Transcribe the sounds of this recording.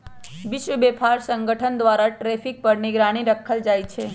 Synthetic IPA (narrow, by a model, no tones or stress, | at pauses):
ʋɪʃʋəbepʰaɾsəŋɡəʈʰənd̪ʋaɾaʈɾefik̚pəɾniɡɾaɽ̃iɾəkʰəld͡ʒajt͡ʃʰe